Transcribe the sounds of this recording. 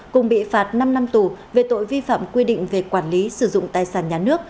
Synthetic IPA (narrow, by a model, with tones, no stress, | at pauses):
kʊ˨˩ŋ͡mɓḭ˧˨faː˨˩t̚na˧mna˧mt̪u˨˩ve˨˩t̪o̰˧˨jvi˧fa̰ː˧˨mkwi˧ɗḭ̈˧˨ŋ̟ve˨˩kwaː˧˩nli˨˦sɨ˧˩zʊ̰˧˨ŋ͡mt̪aː˨˩jsaː˧˩nɲaː˨˩nɨ˦˥ək̚